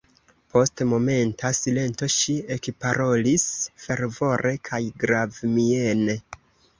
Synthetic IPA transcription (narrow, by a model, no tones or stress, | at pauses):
po̞stmo̞me̞ntasile̞nto̞ʃiekpaɾo̞lisfe̞ɾvo̞ɾʔe̞kʰajɡɾavmie̞ne̞